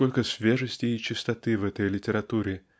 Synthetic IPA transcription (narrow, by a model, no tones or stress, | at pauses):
o̞lʲkəsvʲeʐəsʲtʲɪːt͡ɕɪst̪ɐt̪ɨvɛt̪əjlʲɪtʲɪɾɐt̪uɾʲɪ